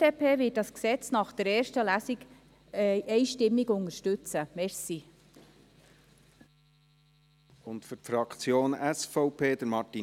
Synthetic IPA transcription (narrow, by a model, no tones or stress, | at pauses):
eːpʰeːvɪt̚d̥ɑsksɛt͡snɑχd̥əɾɛːɾʃtəlæsiɡ | ʔɛɪʃtɪmːiɡʊnəɾʃtʉt͡səmɛɾsi | ʊntfʏtfɾɑkt͡sjoːnɛsfɔʊpʰeːd̪əɾmɑti